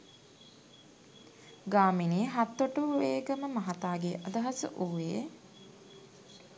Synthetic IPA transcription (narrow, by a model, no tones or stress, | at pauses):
ɡaːminiːɦat̪ːoʈəuʋeːɡəməmɐɦat̪aːɡeʔad̪ɐɦɐsə̰ʔuʋeː